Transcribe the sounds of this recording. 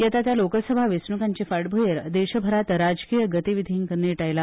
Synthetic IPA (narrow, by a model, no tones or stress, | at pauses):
jat̪at̪jalokəsəbʱaʋesɳukaɲt͡ɕefaɽbʱojəɾd̪eɕəbʱəɾat̪ɾad͡zkijəɡət̪iʋid̪ʱiŋkənːiʈajla